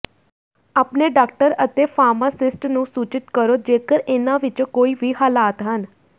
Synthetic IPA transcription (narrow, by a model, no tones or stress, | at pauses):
aːpneːɖaːkʈəɾət̪eːpʰaːɾmaːsɪsʈnũːsuːt͡ʃɪt̪kəɾoːd͡ʒeːkəɾɪnãːʋɪt͡ʃkoːiːʋiːɦaːlaːt̪ɦən